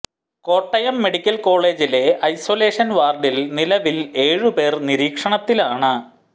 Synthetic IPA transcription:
ko̞ːʈːɐjɐmːe̞ɽikʲːɐlko̞ːɭe̞ːd͡ʑile̞ʔɐjso̞ːle̞ːʂɐnʋaːrɖilnilɐʋile̞ːɻupe̞ːrniɾiːkʂɐɳɐt̪ːilaːɳɨ

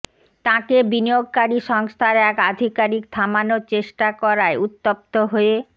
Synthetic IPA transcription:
t̪ãkebinijoɡ̚kaɾiʃɔŋst̪ʰaɾɛkad̪ʱikaɾik̚t̪ʰamanot͡ɕeʃʈakɔɾaeut̪ːop̚t̪oɦoe

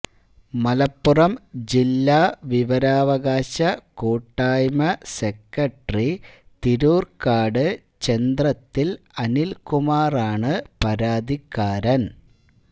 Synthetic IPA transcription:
mɐlɐpːurɐmd͡ʑilːaːʋiʋɐɾaːʋɐɣaːɕɐkoːʈːaːjmɐsekːɐʈrit̪iɾuːrkaːɽɨ | t͡ɕend̪rɐt̪ːil | ɐnilkumaːraːɳɨpɐɾaːd̪ikːaːɾɐn

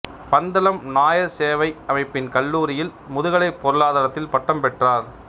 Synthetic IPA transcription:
pɐnd̪ɐlɐmnaːjɐseːʋɐɪɐmɐɪpːɪnkɐlːuːɾɪjɪlmʊðɯɣɐɭɐɪpːɔɾɯɭaːðaːɾɐt̪ːɪlpɐʈːɐmpɛʈraːɾ

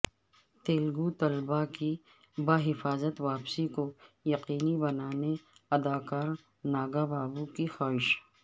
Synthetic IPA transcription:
t̪eːlɡut̪ɐlbaki | baːɦɪfaːzət̪ʋaːpsikojɐqiːnibɐnaːneɐd̪aːkaːɾ | naːɡabaːbukixaːɦɪʃ

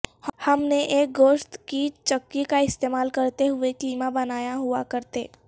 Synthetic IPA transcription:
hɐmneʔeːk̚ɡoːʃt̪kit͡ʃɐkːikaɪst̪eːmaːlkɐɾt̪eɦʊekliːmabɐnaːjaɦʊakɐɾt̪eː

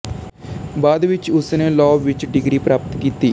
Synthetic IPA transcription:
baːd̪ʋɪt͡ʃʊsnelɔːʋɪt͡ʃɖɪɡɾipɾaːpt̪kiːt̪iː

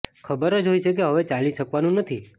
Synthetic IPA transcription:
kʰəbəɾəd͡ʒɦojt͡ʃʰek̬eɦəʋet͡ʃaliʃəkʋanũnət̪ʰi

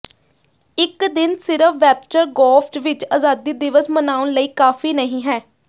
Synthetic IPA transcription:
ɪkd̪ɪnsɪɾəfʋɛːpt͡ʃəɾɡɔːpʰʈʋɪt͡ʃaːzaːd̪iːd̪ɪʋəsmənaːʊnləiːkaːfiːnəɦĩːɦɛː

